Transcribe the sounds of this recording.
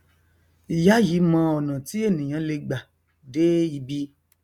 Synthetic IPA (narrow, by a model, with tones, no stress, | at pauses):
ja˦ji˨˦mã˧ɔ˨nã˨ti˦e˦˨nĩ˨j̃ã˨˦le˧ɡ͡ba˨ | de˦i˧bi˦